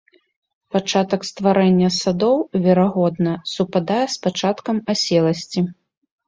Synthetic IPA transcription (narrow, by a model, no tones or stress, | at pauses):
pat͡ʂat̪ɐkst̪vaɾɛnʲːɐsad̪ɔwvʲɛɾaɣɔd̪nɐsupad̪ajɛspat͡ʂat̪kɐmasʲɛlˠɐsʲt͡sʲi